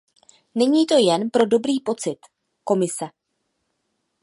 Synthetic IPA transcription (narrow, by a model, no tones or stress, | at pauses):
nɛɲiːt̪o̞jɛnpɾo̞do̞bɾiːpo̞t͡sɪt̪ | ko̞mɪsɛ